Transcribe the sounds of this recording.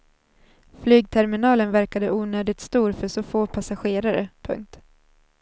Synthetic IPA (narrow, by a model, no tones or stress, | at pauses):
flyːɡ̚t̪ʰɛɾmɪnɑːlənvæɾkad̪əʔuːnøːd̪ɪt̪st̪uːɾfœʂɔfoːpʰasaɧeːɾaɾəpʰɵ̰ŋk̚t̪